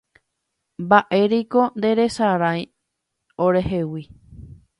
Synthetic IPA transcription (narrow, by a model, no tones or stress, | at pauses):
mbaʔe̞ɾiko̞nd̪e̞ɾe̞saɾãj | oɾe̞ɦewi